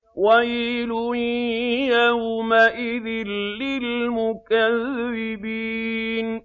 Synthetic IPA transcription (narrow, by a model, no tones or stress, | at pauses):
wajilʊ | jahʊmaʔɪðɪlːɪlmʊkaðːɪbiːn